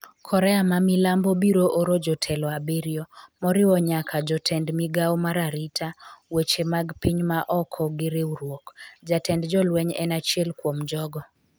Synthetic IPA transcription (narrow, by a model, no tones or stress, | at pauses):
kʰɔɾɛamamilambɔbiɾoʔoɾod͡ʒɔtʰɛlɔabeɾjɔmɔɾɪwɔɲakʰad͡ʒɔtʰɛndmiɡaɔmaɾaɾitʰawet͡ʃemaɡpiɲmaʔɔkʰɔɡɪɾeuɾwokd͡ʒatɛndd͡ʒɔlwɛɲɛ̰nat͡ʃiɛlkwomd͡ʒɔɡɔ